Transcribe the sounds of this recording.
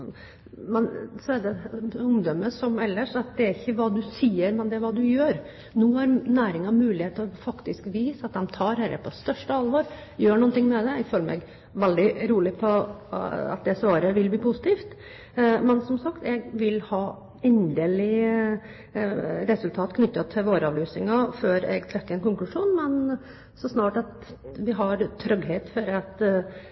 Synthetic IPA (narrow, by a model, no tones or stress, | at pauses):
mɛnsɔæɖ̪ɛʊmd̪œmːəsɔmɛlːəʂɑt̪̚d̪ɛæɾɪçːəʋɑːd̪ʉsiːəɾmɛnd̪ɛæɾʋɑːd̪ʉjøːɾ | nuːhɑɾnæːɾɪŋɑmʉːlɪheːt̪əɾɔfɑkt̪ɪskʋiːsəɑt̪̚d̪ɛmt̪ʰɑːɾɛɾə̰pʰɔst̪œʂʈəɑlʋɔːɾ | jøːɳʊːnt̪ɪŋːmɛd̪ɛɛɡføːləmʔɛ̰ɡ | ʋɛld̪ɪɾuːlɪpʰɔ | ɑ̰t̪̚d̪ɛsʋɑːɾəʋɪlb̪iːpʰʊsɪ̥t̪ʰiːft̪ | mɛnsɔmsɑkt̪ɛɡʋɪlhɑː | ɛnd̪eːlɪ | ɾɛsʉlt̪ʰɑːt̪kʰnʏt̪ːɑt̪ʰɪʋoːɾəɑːʋlyːsɪŋɑføːɾɛ̰ɡt̪ʰɾɛkːəɛnkʊŋklʉʂuːnmɛn | sɔsnɑːʈɑt̪ | ʋɪɦɑɾt̪ʰɾœɡɦeːt̪fɔɾɑt̪